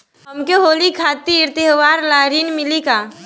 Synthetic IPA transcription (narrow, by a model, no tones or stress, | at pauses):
ɦɐmkeɦoːlikʰaːt̪iɪɾt̪jɦʋaːɾlaːɾiːnmɪlikaː